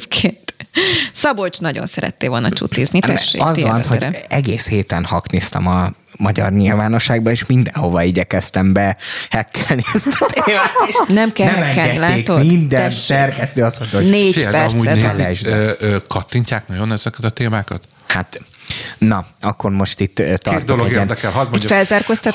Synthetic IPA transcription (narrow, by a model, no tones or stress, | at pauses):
kʰent̪sɒbot͡ʃnɒɟo̰nsɛɾɛ̰t̪ːeːo̞lnɒ̰t͡ʃṵt̪ːiːznit̪ɛʃḛɒzɒnho̞ɟɛɡeːsheːt̪ɛnhɒkniːst̪ɛ̰mɒ | mɒɟɒ̰rɲilvaːno̞ʃːaːɡbɒeːʃmind̪ɛnho̞vɒiɟɛkɛst̪ɛmbɛhɛkʰːɛlniɛzt̪eːmaːnɛmkɛnɛmɛŋɡɛlaːeːk̪ommind̪ɛnsɛrkɛst̪øːɒsmont̪oɦoneːepɛrmuɛlɛʒd̪ɛøkɒt̪ːiɲcaːknɒjonɛz̥ɛkɛt̪ɒt̪eːmaːkɒt̪ | hat̪ | nɒɒkːo̞rmo̞ʃt̪it̪ːɒrtd̪ooloɛɡeɛnd̪ɛkɛlɦɒd̪mfɛlzaːrko̞st̪ɒt̪